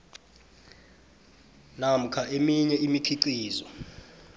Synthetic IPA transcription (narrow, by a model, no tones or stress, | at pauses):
nam̩kʰaʔemiɲɛimikʰiǀiːzɔ